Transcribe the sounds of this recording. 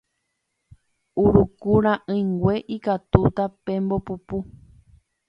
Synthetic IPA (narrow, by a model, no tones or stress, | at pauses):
uɾukuɾ̃ãʔɨ̃jŋɡʷe̞ʔikat̪ut̪apẽmbopupu